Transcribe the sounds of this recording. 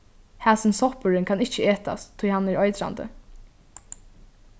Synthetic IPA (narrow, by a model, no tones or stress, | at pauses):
hæːsɪnsɔhpʊɹɪnkʰanɪht͡ʃəeːt̪a̰st̪ʰʊjhanɛɹɔjt̪ɾa̰nd̪ə̰